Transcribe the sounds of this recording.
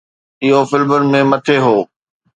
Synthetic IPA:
ɪɦofɪlmənɪ̆mẽmɐt̪ʰeɦoː

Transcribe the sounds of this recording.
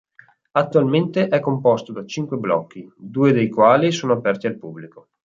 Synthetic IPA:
at̪ːualment̪eʔɛkːompɔst̪od̪at͡ʃiŋkweblɔ̰kːid̪uːed̪ejkwaːlisoːnoapɛrt̪ialpubːliko

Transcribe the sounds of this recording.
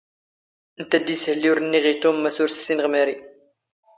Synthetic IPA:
ənt̪æd̪ishəlːiʊɾnːiʁit̪umːæsʊɾsə̥sːinʁmæɾi

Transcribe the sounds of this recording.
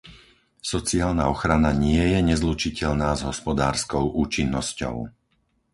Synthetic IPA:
sɔt͡siaːlnaɔxɾanaɲɪɛjɛɲɛzlut͡ʃicɛʎnaːzɦɔspɔd̪aːɾskɔʊʔuːt͡ʃinːɔscɔ̰ʊ

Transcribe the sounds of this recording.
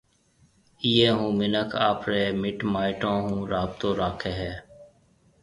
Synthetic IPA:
iːeːɦũːmɪnəkʰaːpɾeːmɪʈmaːɪʈõːɦũːɾaːb̚t̪õːɾaːkʰeːɦɛː

